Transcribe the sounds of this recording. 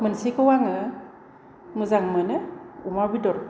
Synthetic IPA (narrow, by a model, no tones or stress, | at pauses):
mɯnsikɯwaŋɯ | mɯzaŋmɯnɯumabidɔɾ